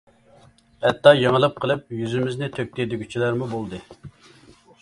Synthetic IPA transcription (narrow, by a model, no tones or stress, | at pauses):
hɛt̪ːɑjɑŋəlˠɨp̚qʰəlˠɨp̚jyzymɪznɪt̪ʰøk̚ʲt̪ʰed̪yɡʲyt͡ʃʰilæɾmubolˠd̪ɨ